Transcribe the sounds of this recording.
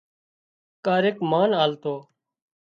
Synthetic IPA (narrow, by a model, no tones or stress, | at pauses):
kaːɾeːkmaːnaːlt̪oː